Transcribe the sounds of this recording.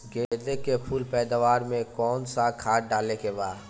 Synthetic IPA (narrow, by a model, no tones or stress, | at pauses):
ɡeːd̪ekepʰuːlpɛːd̪aʋaːɾmẽkɔːnsakʰaːʈ̚ɖaːlekebaːd̪